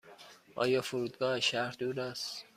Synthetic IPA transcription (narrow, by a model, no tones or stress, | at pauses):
ʔɒ̰ːjɒːfoɾuːd̪̚ɡɒːeʃæɾhd̪uːɾæst̪